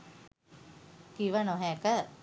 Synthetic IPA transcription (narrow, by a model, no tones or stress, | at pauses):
kiʋanɔɦɛkə